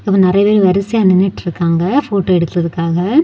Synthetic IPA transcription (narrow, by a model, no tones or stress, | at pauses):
ɪpːɐ̃ːnɪɾɐjɐpeːɾɯʋɐɾɪsɪjaːnɪnːɐʈːɪɾɯkːaːŋɡɐfoːʈːoːɛɽɯt̪ːɯɾɐðɯkːaːɣɐ